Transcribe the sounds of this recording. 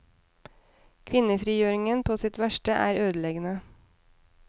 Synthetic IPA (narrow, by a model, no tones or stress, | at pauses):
kʰʋɪnəfɾiːjøːɾɪŋənpʰoːsɪt̪ʋæʃʈəʔæ̰ːɾøːd̪əleːɡənə